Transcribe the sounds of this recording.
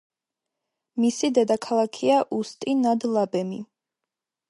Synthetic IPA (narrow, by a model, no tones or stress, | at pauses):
misid̪ɛd̪akʰalˠakʰiaʔust̪ʼinad̪lˠabɛmḭ